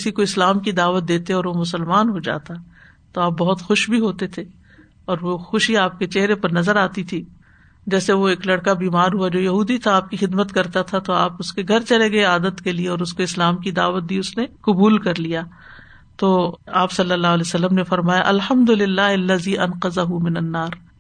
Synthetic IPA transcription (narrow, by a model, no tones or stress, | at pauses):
ɪsikoɪslaːmkid̪aːʋət̪̚d̪eːt̪eɔːɾʋomʊsəlmaːnɦod͡ʒa̰ːt̪a | t̪oaːp̚bɐɦʊt̪xʊʃbʱiɦoːt̪et̪ʰe | ɔːɾʋoxʊʃiaːp̚ket͡ʃɛɦɾepɐɾnɐzəɾaːt̪it̪ʰi | d͡ʒɛːseʋoeːklɐɽkabiːmaːɾɦuad͡ʒoːjɐɦuːd̪it̪ʰaaːp̚kixɪd̪mət̪kɐɾt̪at̪ʰat̪oaːpʊskeɡʱɐɾt͡ʃɐleɡɐeaːd̪ət̪kelieɔːɾʊskoɪslaːmkid̪a̰ːʋət̪̚d̪iːʊsneqʊbuːlkɐɾlijaː | t̪oːaːpsɐlːəlːaːɦʊleːsɐlːəmnefɐɾmaːjaʔɐlhɐmd̪ʊlɪlːaːɦɐlːɐziːʔɐnqɐzɐɦumɪnɐnːaːɾ